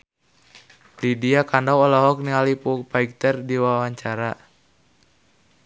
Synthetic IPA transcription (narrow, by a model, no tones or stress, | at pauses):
lidiakandawɔlaɦɔk̚niŋalipupaik̚t̪ɛrdiwawaɲt͡ʃaɾa